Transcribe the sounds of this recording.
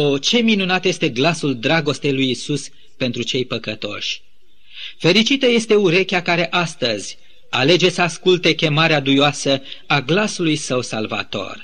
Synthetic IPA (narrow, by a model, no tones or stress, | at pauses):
ot͡ʃe̞minunat̪je̞st̪e̞ɡlasuld̪ɾaɡo̞st̪e̞jlujisus | pe̞nt̪ɾut͡ʃe̞jpəkət̪o̞̰ʃʲ | fe̞ɾit͡ʃit̪əje̞st̪e̞uɾe̞kʲakaɾe̞ʔast̪əzʲ | ale̞d͡ʒe̞səaskult̪e̞kʲe̞maɾead̪ujoasəaɡlasulujsəwsalva̰t̪o̞̰r